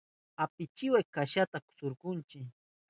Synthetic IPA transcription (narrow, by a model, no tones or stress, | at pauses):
apɪt͡ʃɪwajkaʃat̪akʊ̥sʊɾkʊnt͡ʃɪ